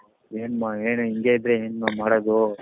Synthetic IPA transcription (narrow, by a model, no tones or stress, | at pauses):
eːnmaeːnuiŋɡeid̪ɾeeːnmamaːɽod̪u